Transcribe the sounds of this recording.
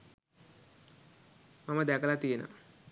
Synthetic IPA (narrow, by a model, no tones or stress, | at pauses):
mamɐd̪ɛkɐlat̪ijnə̰